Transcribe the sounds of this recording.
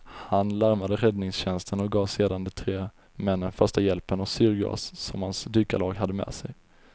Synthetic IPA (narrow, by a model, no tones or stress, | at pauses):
hanlaɾmad̪əɾɛd̪nɪŋsɕɛnst̪ʰənɔk̚ɡɑːvseːd̪and̪ɛt̪ʰɾeː | mɛnːənfœʂʈajɛlpənɔsʏɾɡa̰sːɔ̰mhansd̪yːkalɑːɡɦad̪ːəmɛ̰ːsɛj